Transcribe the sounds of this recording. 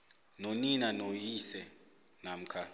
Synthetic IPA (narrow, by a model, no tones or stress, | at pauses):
noninanojisɛ | nam̩kʰa